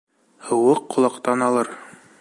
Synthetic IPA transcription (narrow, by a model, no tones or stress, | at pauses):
hɤ̆wɤqːŏlˠɑqt̪ɑnɑlˠɤɾ